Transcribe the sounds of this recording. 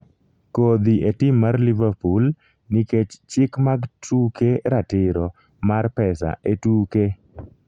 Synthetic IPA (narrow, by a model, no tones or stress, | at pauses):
kod̪iʔetɪmːarlivarpul | niket͡ʃt͡ʃɪkmaɡtʰukeɾatɪɾɔ | marpɛsa̰ʔetuːke